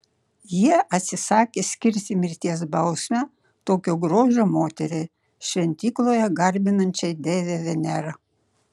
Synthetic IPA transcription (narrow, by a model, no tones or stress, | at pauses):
jiɛʔɐt̪ʲsʲɪsɑːkʲesʲkʲɪɾʲt̪ʲɪmʲɪɾʲt̪ʲiɛs̬bɑʊsʲnʲɛ | t̪oːkʲoɡɾoːʒomoːt̪ʲɛɾʲe | ʃʲʋʲɛnʲt̪ʲiklˠojɛɡɑɾʲbʲɪnɐnʲt͡ʃʲɛjd̪ʲeʋʲeʋʲɛnʲæɾɐ